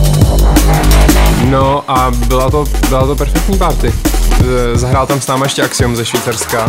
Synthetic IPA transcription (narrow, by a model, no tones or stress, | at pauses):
noʔabɪlat̪obɪlat̪o̞pɛɾfɛk̚t̪ɲiːpaɾt̪ɪ | zaɦɾaːlt̪amsnaːmajɛʃcɛʔaksɪumzɛʃviːt͡sarska